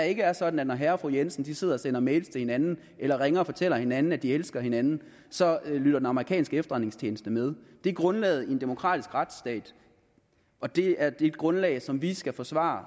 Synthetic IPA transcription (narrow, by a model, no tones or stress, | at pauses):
dɑe̝ɡ̥əæɐsɒ̽d̥n̩æd̥nɒɦæɐɒfʁujensn̩d̥ise̝ð̞̰ˠɐɒ̽sen̰ɐmeːlst͡sʰehe̝nænn̩ | elɐʁeŋɐɒfɒ̽t͡sʰel̰ɐhe̝nænn̩æd̥ielsɡ̥ɐhe̝nænn̩ | sɒ̽lyɾ̥ɐd̥enɑməʁikʰɛ̰ːnsɡ̥əefd̥ɐʁan̰e̝ŋst͡ɕʰeːnəsd̥əmeð̞ˠd̥e̝ɡ̥ʁɔ̽nlɛ̰ːð̩ˠiend̥e̝mo̝kʰʁɑ̰̈ːd̥isɡ̥ʁɑd̥sd̥ɛ̰ːd̥ | ɒ̽d̥e̝æɐd̥e̝d̥̚ɡ̥ʁɔ̽nlɛ̰ːɪsɒ̽mʋisɡ̥æfɒ̽sʋɑ̰̈ː